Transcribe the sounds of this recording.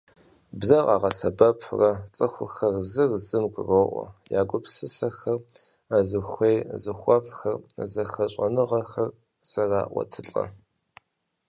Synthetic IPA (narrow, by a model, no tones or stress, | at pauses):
bzɐʁɑːʁɐsɐbɐpʰrɐt͡sʼɨxʷʊ̰xɐrzɨrzɨmɡʷʼʊroʔʷɔ̰jaːɡʷʊpsɨsɐxɐr | azɨxʷejzɨxʷɐfxɐrzɐxɐɕʷʼɐnɨʁɐxɐr | sɐraːʔʷɔ̰tʰɨɬʼɐ̰